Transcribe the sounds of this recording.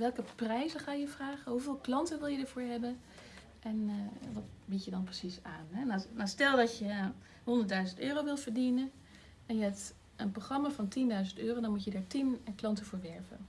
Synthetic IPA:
ʋɛlˠkəprɛjzəχaːjəvraːχənɦuvɪːlˠklɑntənʋɪlˠjədəɹvʊːɹɦɛbən | ʔɛnʋɑtbitjədɑnprəsisaːnɦɛnanastɛlˠdɑtjə | ɦɔndəɹtdœɥzəntøːrowʋɪlˠvəɹdinən | ɛnjəɛpt | ənproχrɑmaːvɑntindœɥzəntøːrowdɑnmutjədaːɹtinklɑntəvʊːɹʋɛɹvə̰n

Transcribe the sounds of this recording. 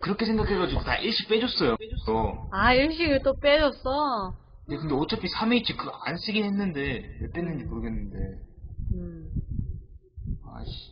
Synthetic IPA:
kɯɾʌkʰe̞sʰe̞ŋɡakʰe̞ɡad͡ʑiɡotaʔiɭɕ͈ik̚p͈e̞d͡ʑʌs͈ʌjos͈oaiɭɕ̬͈iɡɯɭt͈op͈ed͡ʑʌs͈ʌ | ndekɯnde̞ot͡ɕʰʌpʰisʰameit͡ɕʰik͈ʰɯa̰ns͈ɯɡinɦe̞nːɯnde̞jeɭt͈enːɯnd͡ʑipuɾɡenːɯnde̞ | ɯ | a̰ɕ

